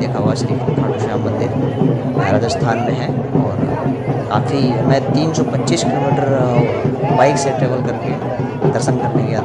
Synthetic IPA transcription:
d̪eːkʰaɦuaʃɐɾiːkkʰaːʈuʃaːmmɐ̃nd̪ɪɾ | bʱaːɾaːd͡ʒəst̪ʰaːnmẽɦɛ̃ɔːɾ | kaːfimɛ̃t̪iːnsɔpɐtːt͡ʃiːskɪloːmiːʈəɾ | baɪkseʈɾeːʋəlkɐɾke | d̪əɾʃə̃nkɐɾnekea

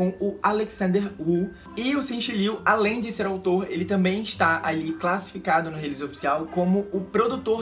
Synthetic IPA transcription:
õw̃ʊaleksɐ̃nd̪eɾhu | ɪʊsẽʃiliwalẽj̃d͡ʒɪseɾawt̪oɾelɪt̪ɐ̃mbẽj̃ɪʃt̪aaliklasi̥fikad̪ʊnʊɦelizofi̥siawkõmʊʊpɾod̪ut̪o

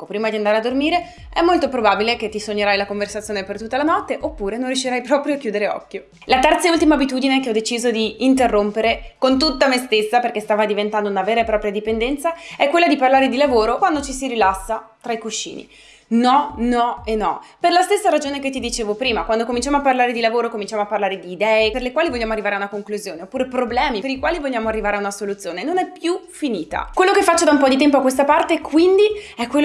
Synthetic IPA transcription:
kːopɾiːmad̪iand̪aːɾead̪ormiːɾe | ɛmːolt̪opɾobaːbileket̪ːisoɲːeɾajlakoɱversat̪sjoːnepert̪ut̪ːalanɔt̪ːeʔopːuːɾenonrjuʃːiɾajpɾɔːpɾjoak̟juːd̪eɾeɔ̰kːjo | lat̪ɛrt̪sault̪imabit̪uːd̪inekeɔd̪et͡ʃiːzod̪iːnt̪̬erːompeɾekont̪̬ut̪ːamest̪esːaperkest̪aːvad̪ivent̪and̪ounaveːɾaepːɾɔpɾjad̪ipend̪ɛnt̪saɛkːwelːad̪iparlaːɾed̪ilavoːɾokwand̪ot͡ʃisiɾilasːat̪ɾaikuʃːḭːnḭ | nɔnɔenːɔperlast̪esːaɾad͡ʒoːneket̪ːid̪it͡ʃeːvopɾiːmakwand̪okomint͡ʃamoapːarlaːɾed̪ilavoːɾokomĩnt͡ʃamoapːarlaːɾed̪iːd̪ɛːeperlekwaːlivoʎːaːmoarːivaːɾeaunakoŋkluzjoːneopːuːɾepɾoblɛːmipeɾikwaːlivoʎːaːmoarːivaːɾeaunasolut̪sːjoːnenonɛpjufiniːt̪a̰kwelːokefːat͡ʃːod̪aumpɔd̪it̪̬ɛmpoakwes̬t̪apart̪ekʰwind̪iɛkːwelː

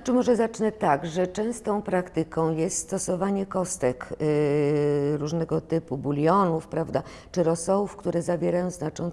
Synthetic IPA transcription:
t͡ʂɘmɔʐɛzat͡ʂnɛt̪aɡʐɛt͡ʂɛ̃w̃st̪ɔ̃w̃pɾakt̪ɘkɔ̃w̃jɛst̪st̪ɔsɔvaɲɛkɔst̪ɛk | ɾuʐnɛɡɔt̪ɘpubulʲjɔnufpɾavd̪a | t͡ʂɘɾɔsɔufkt̪uɾɛzavʲjeɾajɔ̃w̃znat͡ʂɔ̃n

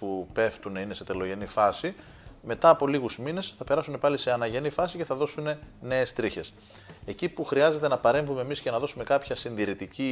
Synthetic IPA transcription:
pupe̞ft̪une̞ine̞se̞t̪e̞lo̞ʝe̞nifɐsi | me̞t̪ɐːpo̞liɣuzmine̞sθɐpe̞ɾɐsune̞pɐlise̞ɐnɐʝe̞nifɐsice̞θɐðo̞sune̞ne̞ːst̪ɾiçe̞s | e̞cipuxɾiɐze̞t̪e̞nɐpɐɾe̞ɱvumemisce̞nɐðo̞sume̞kɐpçɐsinðiɾit̪ici

